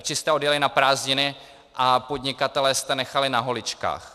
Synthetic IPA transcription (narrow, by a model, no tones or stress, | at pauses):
t͡ʃɪst̪ɛo̞djɛlɪnapɾaːzɲɪnɪ | ʔapo̞d̪ɲɪkat̪ɛlɛːst̪ɛnɛxalɪnaɦo̞lɪt͡ʃka̰ːx